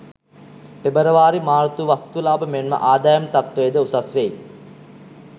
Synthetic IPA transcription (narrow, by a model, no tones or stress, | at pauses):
pebəɾəʋaːɾimaːɾt̪uʋast̪ulaːbəmenmə̰ʔaːd̪ajəmt̪at̪ʋejːd̪əusasʋej